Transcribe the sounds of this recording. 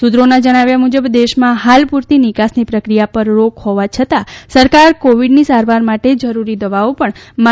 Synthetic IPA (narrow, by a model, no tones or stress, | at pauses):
sud̪ɾonad͡ʒəɽ̃aʋjamud͡ʒəbd̪eʃmãɦalpuɾt̪inikasnipɾəkɾijapəɾːokhoʋat͡ʃʰət̪asəɾkaɾkoʋiɖnisaɾʋaɾmaʈed͡ʒəɾuɾid̪əʋaopəɳma